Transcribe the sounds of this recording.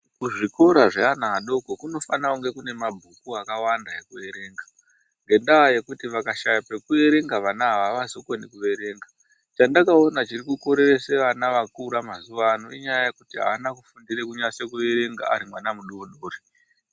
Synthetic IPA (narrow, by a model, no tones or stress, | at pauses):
kuʐiko̞ɾaʐeanaɗo̞kokuno̞fanauŋɡe̞kune̞mabʱukuakawandaɦekue̞ɾe̞ːŋɡa | ŋɡe̞ndaje̞kutiʋakaʃajape̞kue̞ɾe̞ŋɡaʋanaɦaʋaʋazokonikuʋe̞ɾe̞ːŋɡa | t͡ʃandakao̞nat͡ʃirikuko̞ɾe̞re̞seʋanaʋakuɾamazuʋanoiɲajaje̞kutiɦa̰ʋanakufundirekuɲase̞kue̞ɾe̞ŋɡa̰a̰ɾimwanamuɗuunoːri